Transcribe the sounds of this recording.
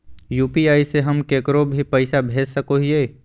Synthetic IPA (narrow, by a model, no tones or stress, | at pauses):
juːpiaːiseɦɐmkeːkɾobʱipəɪsabʱeːd͡ʒsəkoɦieː